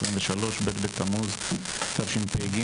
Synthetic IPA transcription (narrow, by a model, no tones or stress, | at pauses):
sʁimɱveʃalo̞ʃbet̪bet̪amuz | t̪ʰavʃempeɡi